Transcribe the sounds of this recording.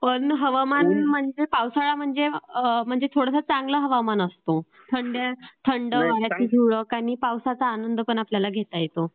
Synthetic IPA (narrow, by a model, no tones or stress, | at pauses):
pəɳɦəʋamanm̤əɳd͡zepawsaɭam̤əɳd͡zem̤əɳd͡zet̪ʰoɽəsət͡sãŋɡləɦəʋamanəst̪o | t̪ʰəɳɖjet̪ʰəɳɖəʋaɾjat͡ɕiːd͡ʑʱiɭəkamiːpawsat͡saːnənd̪pəɳapljalaɡʱet̪ajet̪o